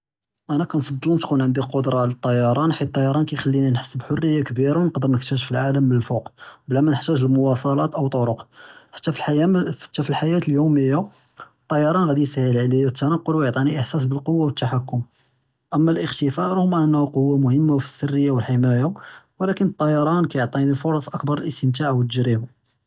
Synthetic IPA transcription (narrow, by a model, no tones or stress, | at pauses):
ʔænækænfɑd̪ˤːəlnt̪kunʕənd̪iqod̪ɾˤɑʕlæt̪ˤːɑjɑɾˤɑnħit̪ˤːɑjɑɾˤɑnkæjxælːininħə̥sːəbħorːəjːakbiɾawnəqd̪əɾnəħt̪æʒfilʕaləmːəlfoqbəlæmænəħt̪æʒəlmʊwɑsˤɑlɑt̪ʔəwt̪ˤoɾoqħḁt̪ːæfiħḁt̪ːæfilħajæt̪əljuməjːa | t̪ˤːɑjɑɾˤɑnɣæd̪isahəlʕlijæt̪ʰːænɑqːolwjoʕt̪ˤiniʔəħsæs̬bəlqowːawət̪ːaħakːʊm | ʔəmːælʔəxt̪əfɑɾhmːaʕənːhuqowːamʊhəmːafi̥sːərːəjːawəlħimæjawlækənət̪ˤːɑjɑɾˤɑnkæjoʕt̪ˤinifʊɾˤɑsʔəkbɑɾˤəlʔəst̪əmt̪̬aʕwət̪ːəʒɾibu